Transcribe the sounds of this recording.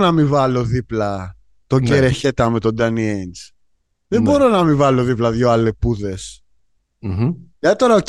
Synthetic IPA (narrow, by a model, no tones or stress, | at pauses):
nɐmivɐlo̞ðiplɐ | t̪o̞ɲɟeɾe̞çe̞t̪ɐme̞t̪od̪ɐnient͡s | ðembo̞ɾo̞nɐmivɐlo̞ðiplɐðʝo̞ɐle̞puðe̞s | ʝɐt̪it̪o̞ɾɐo